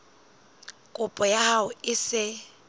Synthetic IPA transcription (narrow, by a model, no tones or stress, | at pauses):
kʼʊpʼɔjahaʊɪsɪ